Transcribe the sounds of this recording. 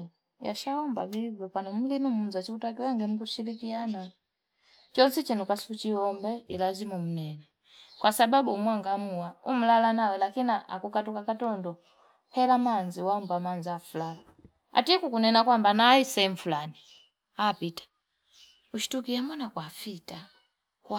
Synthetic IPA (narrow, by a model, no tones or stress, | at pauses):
ja̰ʃaɔmba̰vivɔpanɔm̩linumunzat͡ʃikutakiwɛŋɡɛmukuʃilikiana | t͡ʃɔnsit͡ʃɛnukwasut͡ʃiɔmbɛilazimum̩nɛnɛ | kwasababumwaŋɡamuwaum̩lalanawɛlakinaʔa̰kukatukakatɔndɔ | pɛlamanziwambamanzafulala | a̰tikukunɛnakwambanaisɛɱ̩fulani | apitḁ | uʃi̥tukiambɔnakwafita | k